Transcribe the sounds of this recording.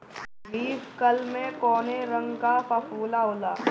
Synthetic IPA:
ɾiːskəlmẽkɔːneɾə̃ŋɡkapɐfuːlaɦʊlaː

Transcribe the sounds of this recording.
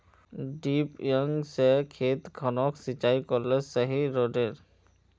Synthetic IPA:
ɖipjəŋsɛkʰet̪ɡʰʱɔnɔksit͡ʃajkɔɾlɛsəɦiɾoɖeɾ

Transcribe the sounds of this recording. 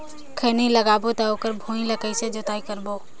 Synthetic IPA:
kʰəniləɡabot̪ɔoːkəɾbʱũĩləkəjsẽd͡ʒot̪aikəɾbo

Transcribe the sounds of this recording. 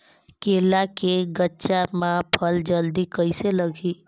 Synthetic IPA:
keːlakeɡətːʃamãpʰəld͡ʒəld̪ikəiseləɡʱiː

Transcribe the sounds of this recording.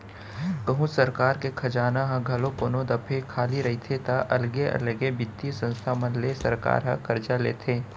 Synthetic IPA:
kɐɦũsɐɾkaːɾkekʰɐd͡ʒaːnaɦɐ̃ɡʱɐlõkonõd̪ɐpʰekʰaːliɾɐɦit̪ʰet̪aʔɐlɡeʔɐ̰lɡebɪd̪isə̃nst̪ʰamɐnlesɐ̰ɾka̰ːɾɦɐ̰̃kɐɾd͡ʒalḛːt̪ʰeː

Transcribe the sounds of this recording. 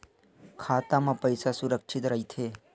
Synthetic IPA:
kʰaːt̪amãpəjsasuɾəkʃit̪ɾəɦit̪ʰeː

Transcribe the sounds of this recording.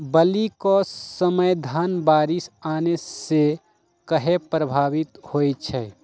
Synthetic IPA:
bəlikosəməjd̪ʱaːnbaːɾɪsaːnese | kəɦepɾəbʱaːʋɪt̪hoːjt͡ʃʰɛː

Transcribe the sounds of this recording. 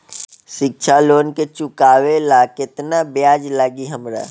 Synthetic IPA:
ʃɪk̚t͡ʃʰaloːnket͡ʃʊkaːwelaːkɪt̪nabjaːd͡ʒlaɡiɦəmɾa̰ː

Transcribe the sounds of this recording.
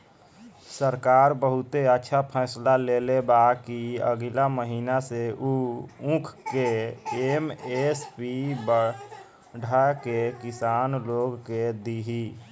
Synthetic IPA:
səɾkaːɾbəɦʊt̪eətːʃʰapʰɛːslalelebakiə̰ɡilaməɦiːnaseuũkʰkeemespibə | ɖ̤ʱakekisaːnloɡked̪iɦi

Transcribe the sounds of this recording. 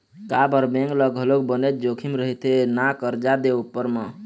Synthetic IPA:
kabəɾbẽŋɡləɡɦəlok̚bənet̪̚d͡ʒokʰimɾəɦit̪enakəɾd͡ʒad̪eupːəɾmə

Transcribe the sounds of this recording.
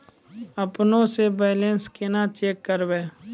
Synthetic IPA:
əpnõsebeːlẽnskenat͡ʃeːkːəɾbeː

